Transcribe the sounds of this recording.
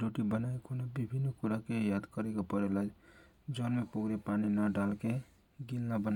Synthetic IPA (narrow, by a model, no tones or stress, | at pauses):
ɾoʈibənaekonabibʱinːkuɾakejad̪kəɾekapəɾelad͡ʒ | d͡ʒɔnmepukɾepaninəɖalke | ɡilnabən